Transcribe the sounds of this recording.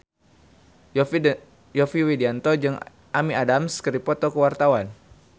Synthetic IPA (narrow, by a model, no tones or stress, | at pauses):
jɔfiwidiant̪ɔd͡ʒɨŋ | ʔamiadamskəɾipɔt̪ɔkəwart̪awan